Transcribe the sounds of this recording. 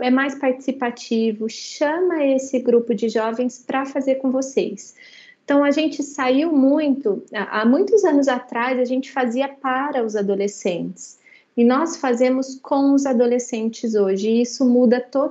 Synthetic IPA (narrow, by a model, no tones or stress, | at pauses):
ɛmajspaɾt͡ʃi̥sipat͡ʃivʊʃɐ̃mɐesɪɡɾupʊd͡ʒɪʒɔvẽj̃spɾɐfazeɾkõw̃vosejs | t̪ɐ̃w̃ɐʒẽnt͡ʃɪsaiwmũj̃t̪ʊaʔamũj̃t̪ʊzɐ̃nʊzat̪ɾazɐʒẽnt͡ʃɪ̥faziɐpaɾɐʊzad̪olesẽnt͡ʃɪ̥s | ɪnɔsfazẽmʊskʰõw̃ʊzad̪olesẽnt͡ʃɪzoʒɪɪisʊmud̪ɐt̪o